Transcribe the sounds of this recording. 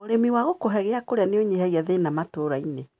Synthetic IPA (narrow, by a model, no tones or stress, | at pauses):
oɾemiwaɣokoɦɛɣeakoɾeaneoɲehɛɣiaðenamatoɾaine